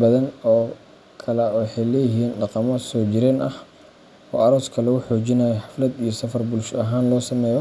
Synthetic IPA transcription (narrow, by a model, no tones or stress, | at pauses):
bɐðɐnɔː | kʰɐlɛɔjħɛjlɛːjɪɦiːnɖɑqɑmɔsɔːt͡ʃɪɾɛːnʔɐ̰h | ɔ̰ːʔɐɾɔːskʰɐlɛʊħoːt͡ʃɪnaːjɔħɑflɐd̪ijɞsɐfɐrbʊlʃɐɦaːnlɔːsɐmɛːjɔ